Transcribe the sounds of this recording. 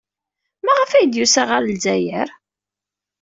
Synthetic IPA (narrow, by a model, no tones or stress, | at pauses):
mæʁəfæjəd̪jusæʁaɾlzæjəɾ